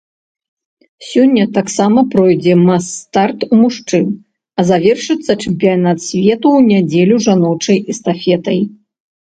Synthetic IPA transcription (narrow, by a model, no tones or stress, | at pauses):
sʲɔnʲːɐt̪aksamɐpɾɔjd͡zʲɛmast̪art̪umuʂt͡ʂɨm | ɐzavʲɛrʂɨt̪sːɐt͡ʂɨmʲpʲijanat̪sʲvʲɛt̪uwnʲad͡zʲɛlʲuʐanɔwt͡ʂɐjist̪afʲɛt̪ɐj